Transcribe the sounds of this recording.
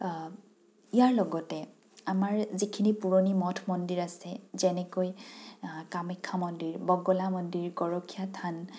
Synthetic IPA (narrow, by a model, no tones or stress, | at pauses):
ijaɹlɔɡɔtɛ | amaɹzikʰinipuɹɔnimɔtʰmɔndiɹasɛzɛnɛkoj | kamɛkʰːamɔndiɹbɔɡɔlamɔndiɹɡɔɹɔkʰijatʰan